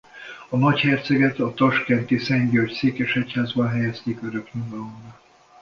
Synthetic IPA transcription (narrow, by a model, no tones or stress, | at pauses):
ɒnɒchɛrt̪sɛɡɛt̪ɒt̪ɒʃkɛnt̪isɛɲɟøːcseːkɛʃɛchaːzbɒnɦɛjɛst̪eːkøɾøkɲuɡɒlomrɒ